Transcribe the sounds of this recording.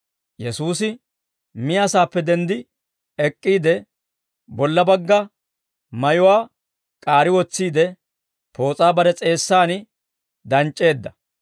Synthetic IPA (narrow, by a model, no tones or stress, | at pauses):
jɛsuːsɪ | mɪjaːsaːpːɛd̪ɛnd̪ɪ | ɛkʼːiːd̪ɛ | bɔlːɐbɐɡːɐ | mɐjʊwaː | kʼaːɾɪwɔt͡sːiːd̪ɛ | pʰo̞ːt͡sʼaːbɐɾɛt͡sʼe̞ːsːaːnɪ | d̪ɐnt͡ʃʼːe̞ːd̪ːɐ